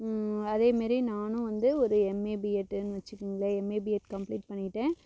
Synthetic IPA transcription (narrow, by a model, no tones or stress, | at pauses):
ɐðeːmaːd̪ɾinaːnʊ̃ʋɐnd̪ɯɔɾɯɛmeːbiɛʈːnːɯʋɐt͡ʃːɯkːɯŋɡɐɭɐɛmeːbiɛʈkɐmpɭliːʈ̚pɐɳːɪʈːẽː